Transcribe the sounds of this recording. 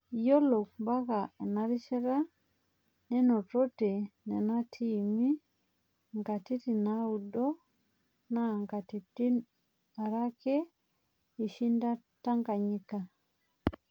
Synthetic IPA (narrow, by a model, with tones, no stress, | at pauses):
jɔ˦lɔ˨kba˦ka˨ɛ˨na˦ɾi˦ʃɛ˦ɾa˦ | nɛ˦nɔ˨tɔ˦tɛ˨nɛ˨na˦tʰi˦˨mi˦ | ŋɡa˨ti˦ti˨na˦u˨dɔ˦ | na˨ŋɡa˨ti˨ti˦ | a˨ɾa˦kɛ˦ | i˨ʃi˦nda˦ta˦ŋɡa˨ɲi˨ka˨